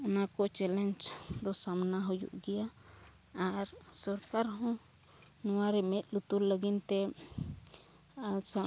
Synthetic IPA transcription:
ɔnakɔt͡ʃɛlɛnd͡ʒd̪ɔsamnaɦujṵʔɡɛjaː | ɾsɔɾkaɾɦɔ̃ | nɔwaɾɛmɛt̪̚lut̪ullːəɡint̪ɛ | sa

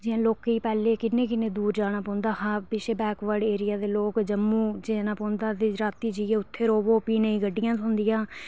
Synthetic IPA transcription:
d͡ʒɪjãːloːkiːpɛːleːkɪnːẽːkɪnẽːd̪uːɾd͡ʒaːñaːpɔ̃ːnd̪aːɦapɪʃeːbɛːkʋəɽeːɾɪjaːd̪eːloːkd͡ʒəmːũːd͡ʒeːnaːpɔ̃ːnd̪aːd̪eɾaːt̪iːd͡ʒieːʊt̪ʰːeːɾoːʋoːpiːneĩːɡəɖːɪjãːsõːnd̪ɪjãː

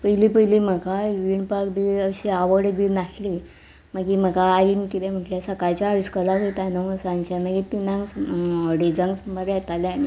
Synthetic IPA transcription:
pəjlipəɦjlim̤əɡaʋiɳɖpakd̪iəɕiaʋəɽəɡʋinaʈʰli | məɡim̤əɡaːinikit̪ɛ̃m̤əʈlesəkajt͡ɕaːʋiskəlaɦojt̪anosãnt͡ɕaməɡit̪inãŋɡsɖid͡zãŋɡsəməɾjɛt̪aljaɽ̃i

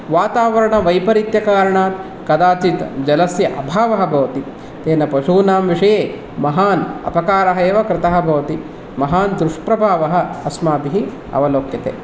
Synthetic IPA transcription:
ʋaːt̪aːʋɐɾɐɳɐʋɐjpɐɾit̪jɐkaːɾɐɳaːt̪ | kɐd̪aːt͡ʃit̪d͡ʒɐlɐsjɐʔɐbʱaːʋɐɦɐ̆bʱɐʋɐt̪i | t̪eːnɐpɐʂuːnaːmʋiʂɐjeː | mɐɦaːnɐ̰pɐkaːɾɐɦɐjeːʋɐkɾɪt̪ɐɦɐ̆bʱɐʋɐt̪i | mɐɦaːnd̪ɾuʂpɾɐbʱaːʋɐɦɐ̆ɐsmaːb̪iɦi | ɐ̰ʋɐloːkjɐt̪ḛː

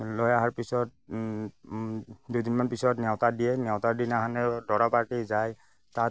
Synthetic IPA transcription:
lɔjaɦaɹpisɔt̚ | dudinmanpisɔtnɛwtadijɛnɛwtaɹdinaɦanɛdɔɹapaɹtizaj | tat

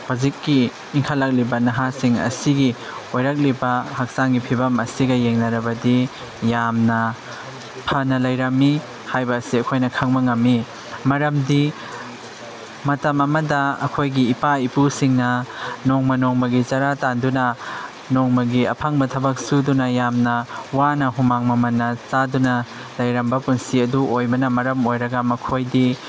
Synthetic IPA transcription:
hazit̚kiː | ŋkʰalːɐk̚libɐnɐɦasiŋɐ̰siɡi | ojɾɐk̚libɐhak̚saŋɡipʰibɐmɐsiɡɐjeŋnɐɾɐbɐdi | jamnɐ | pʰɐnɐlɐjɾɐmːi | hajbɐːsiɐkʰojnɐkʰɐŋbɐŋɐmːi | mɐɾɐmdi | mɐtɐmɐmɐdɐɐ̰kʰojɡiːpaipusiŋnɐnɔŋmɐnɔŋmɐɡit͡ʃaɾatandunɐ | nɔŋmɐɡiɐ̰pʰaŋbɐtʰɐbɐk̚sudunɐjamnɐwanɐɦumaŋmɐmɐnːɐt͡ʃadunɐ | lɐjɾɐmbɐpunsiɐduʔojbɐnɐmɐɾɐmojɾɐɡɐmɐkʰojdi

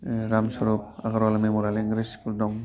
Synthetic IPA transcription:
ɾamsɔɾup̚aɡaɾalamemɔɾaliŋɡɾispuldɔŋ

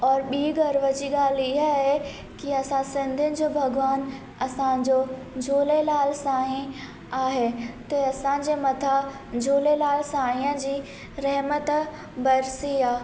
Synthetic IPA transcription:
ɔːɾɓiːɡɐɾʋət͡ɕiɡaːliɦaɦe | kiɐsãsɪ̃nd̪ʱɪnɪ̆d͡ʑoːbʱɐɡʋaːn | ɐsãd͡ʑoː | d͡ʑʱoːlelaːlsaːɦĩ | aːɦet̪eɐsãd͡ʑemɐt̪ʰa | d͡ʑʱoːlelaːlsaːɦĩjə̃d͡ʑiː | ɾɛɦmət̪ | bɐɾsiaː

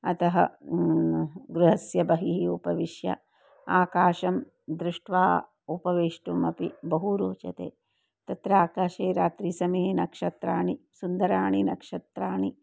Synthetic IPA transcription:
ɐt̪ɐɦɐ̰ | ɡɾuɦɐsjɐbɐɦiɦiupɐʋiʃjɐ̰ | aːkaːʃɐm | d̪ɾuʂʈʋaː | upɐʋeːʂʈumɐpibɐɦuɾoːt͡ʃɐ̰t̪ḛː | t̪ɐt̪ɾaːkaːʃeːɾaːt̪ɾisɐmeɦnɐkʂɐt̪ɾaːɳisund̪ɐɾaːɳinɐkʂɐt̪ɾaːɳi

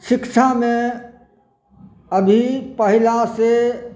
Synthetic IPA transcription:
ʃɪkʃʰamẽ | əbʱipəɦɪlase

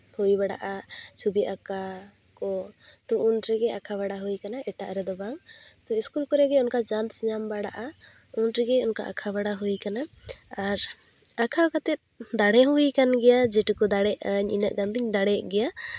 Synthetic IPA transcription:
hujbaɽa̰ʔasubiʔaka | kɔt̪ɔʔunɾɛɡɛakʰaβaɽaɦujkanaʔɛʈaʔɾɛd̪ɔbaŋt̪ɔiskulkɔɾɛɡɛɔnkad͡ʒansɲambaɽaʔa | unɾɛɡɛɔnka̰ʔa̰kʰaβaɽaɦujkana | aɾ | akʰaɔkat̪ɛt̪̚d̪aɽɛɦujkanɡɛjad͡ʒɛʈikɔd̪aɽɛʔaɲḭnəʔɡand̪iɲd̪aɽɛʔɡɛja

